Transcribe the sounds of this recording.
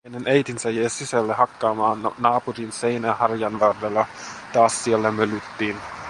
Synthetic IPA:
enenejt̪insæjeːsisælːehɑkːɑːmɑːnːɑːpurinse̞jnæhɑrjɑnʋɑrdelːɑt̪ɑːssielːæmølyt̪ːiːn

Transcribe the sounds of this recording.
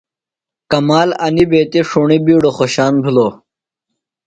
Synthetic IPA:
kɐmaːlɐnibeːt̪iʂuɳibiːɽoxoɕaːnbʱilo

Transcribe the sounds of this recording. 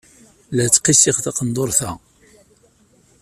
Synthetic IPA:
læt͡sːqisiʁθɑqənd̪ˤoɾˤθæ

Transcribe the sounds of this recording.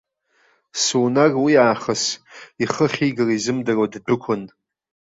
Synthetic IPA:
suːnarwiaːχəsiχəχʲiɡɨrizɨmdɨrwaddʊkʷʰʊn

